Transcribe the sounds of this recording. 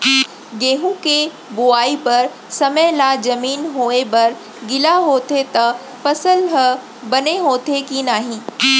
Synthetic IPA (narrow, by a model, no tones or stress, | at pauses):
ɡeːɦũke | boaːipɐɾ | sɐməjlad͡ʒɐmiːnɦoːebɐɾ | ɡɪlaɦoːt̪et̪ɐ | pɐsəlɦ | bɐneɦoːt̪ekinaːɦĩː